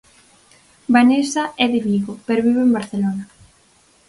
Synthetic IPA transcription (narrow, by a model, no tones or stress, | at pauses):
banesaɛðɪβiɣopɛɾoβiβeembaɾθelona